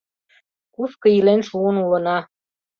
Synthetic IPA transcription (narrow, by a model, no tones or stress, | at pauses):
kuskɤ̆ilenʃuənulə̆nɑ